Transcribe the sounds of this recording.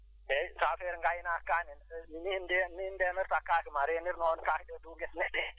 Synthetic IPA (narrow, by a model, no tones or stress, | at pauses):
ɛsafɛɾŋɡajnakːanininindɛniindɛnɛɾtakːaːkimaɾeniɾnɔnkaːkiɗɔduŋɡɛsnɛɗːɛ